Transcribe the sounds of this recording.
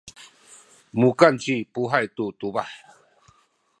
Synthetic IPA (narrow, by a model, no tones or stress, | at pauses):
mukant͡ɕipuɦajt̪ut̪ubaħ